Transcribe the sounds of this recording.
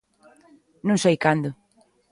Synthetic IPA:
nũŋsejkand̪ʊ

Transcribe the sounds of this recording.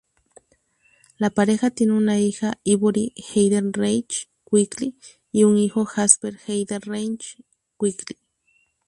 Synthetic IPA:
lapaɾexat̪inunaixaiβoɾixejd̪enrejt͡ʃ | kʷikli | iuŋixoxaspeɾxejd̪enrejnt͡ʃ | kʷikli

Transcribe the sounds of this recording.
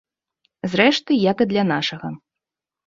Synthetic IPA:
zɾɛʂt̪ɨjakɨd̪lʲanaʂɐɣɐ

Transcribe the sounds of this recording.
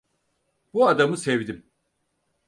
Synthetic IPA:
b̥uad̪amɯsɛvd̪im

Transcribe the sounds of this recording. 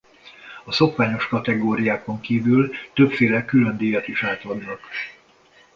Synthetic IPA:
ɒso̞kʋaːɲo̞ʃkɒt̪ɛɡoːɾijaːko̞ŋkiːvylt̪øpfeːlɛkylø̞nd̪iːjɒt̪iʃaːt̪ɒd̪nɒk

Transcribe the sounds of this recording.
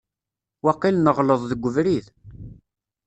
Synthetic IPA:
wɑqːilnəʁləðˤðəɡʷːʊvɾið

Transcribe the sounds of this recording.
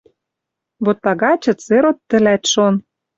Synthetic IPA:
βot̪ːɑɣɑt͡ɕɤ̆t͡seɾot̪ːə̆læt̪ʃon

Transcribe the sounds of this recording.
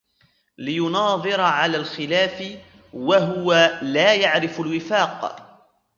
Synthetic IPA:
lɪjʊnɑːðˤɨɾɑʕalaːlxɪlaːfɪ | waɦʊwalaːjaʕɾɪfalwɪfaːq

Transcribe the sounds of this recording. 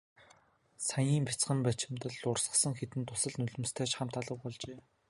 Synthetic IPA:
sajiːmpʲi̥t͡sχə̆mpæt͡ɕɪ̆mt̪ə̆ɮʊrsə̥̆sə̆ŋxet̪ɘ̆nt̪ʰːʊsə̆ɮnɵɮɵ̆mst̪ʰæːt͡ɕχam̥t̪ʰaːɮə̆k̚pɔɮt͡ɕeː

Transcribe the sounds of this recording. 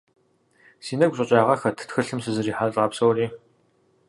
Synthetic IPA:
siːnɐɡʷɕʼɐɕʼaːʁɐxɐtʰtxɨɬɨmsɨzɨriːħaɬʼaːpsɐwriː

